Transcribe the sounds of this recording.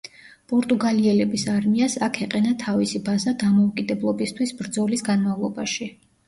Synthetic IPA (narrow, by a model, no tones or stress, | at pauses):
pʼɔɾt̪ʼuɡaliɛlɛbisaɾmiasakʰɛqʼɛnat̪ʰavisibazad̪amɔukʼid̪ɛblˠɔbist̪ʰwisbɾd̪zɔlisɡanmavlˠɔbaʃi